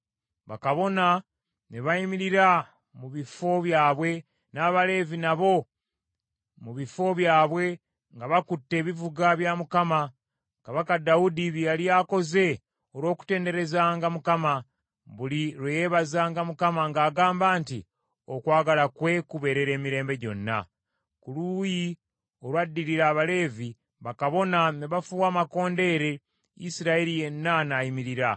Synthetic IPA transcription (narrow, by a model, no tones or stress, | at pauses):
βa̰kaβo̞na | ne̞βaimiɾiɾa | muβifo̞βjaːβwe̞ | naːβale̞ːvinaβo̞ | muβifo̞βjaːβwe̞ | ŋɡaβakutːe̞ːβivuɡaβjamukama | kaβakadaudiβjaliaːko̞ze̞ | oɾwo̞ːku̥te̞ːnde̞ɾe̞zaːŋɡamukama | βuliɾwejeːβazaːŋɡamukamaŋɡaːɡaːmbaːntḭ | o̞kwaːɡalakwe̞kuβe̞ɾe̞ɾe̞ːmiɾe̞ːmbe̞ɟo̞nːa̰ | kuluji | o̞ɾwadːiɾiɾaːβale̞ːvi | βakaβo̞naneβafuwaːmako̞ːnde̞ːɾe̞ | ḭsiɾaeɾije̞nːanajimiɾiɾa